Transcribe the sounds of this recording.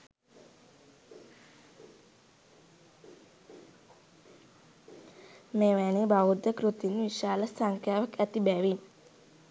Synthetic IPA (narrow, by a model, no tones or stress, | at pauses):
meːʋæːnibawud̪ːəkɾut̪inʋiʃaːlɐsaŋkʰjaːʋɐkæt̪ibæʋin